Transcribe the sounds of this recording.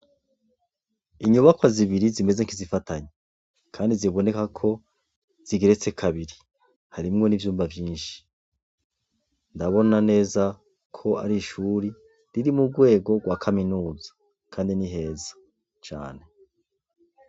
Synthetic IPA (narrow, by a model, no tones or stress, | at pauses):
iɲuβakwaziβiɾizime̞zeŋkizifataɲe | kʰaːndiziβo̞ne̞kakʰo̞ | z̥iɡeɾet͡se̞kʰaβiɾi | haɾimŋo̞nivjuːmbavjiːnʃi̥ | ndaβo̞nane̞ːza | kʰo̞a̰ɾiʃuːɾi | ɾiɾimuɡwe̞ːɡo̞ɡwakʰaminuːzḁ | kʰaːndiniɦe̞ːzḁ | t͡ʃa̰ːne̞